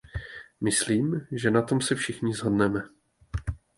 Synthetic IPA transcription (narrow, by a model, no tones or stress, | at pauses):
mɪsliːmʒɛnat̪o̞msɛfʃɪxɲɪzɦo̞dnɛmɛ